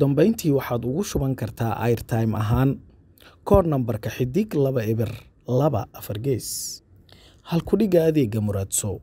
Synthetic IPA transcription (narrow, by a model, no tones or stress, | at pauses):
d̪ɐmbɛjnt̪ʰiːwɑħɑːd̪ʊɣʊʃʊβɐŋkʰɐrt̪ʰaːʔɐ̰jrt̪ʰajmʔɐ̰ɦaːn | kʰɔːrnɐmbɐrkʰɐħɪd̪ɪɡlɐβɐɪβɪr | lɐβɐ̰ʔɐfɐrɡɛjs | hɐlkʰʊɖɪɣaːðɛːɡɐmʊɾad̪sɔ